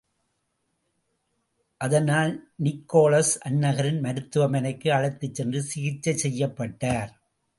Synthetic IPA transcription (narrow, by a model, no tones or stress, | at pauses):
ʔɐðɐnaːlnɪkːoːlɐsʔɐnːɐɣɐɾɪnmɐɾɯt̪ːɯʋɐmɐnɐɪkːɯɐɻɐɪt̪ːɯt͡ʃːɛndrɯsɪɣɪt͡ʃːɐsɛjːɐpːɐʈːaːɾ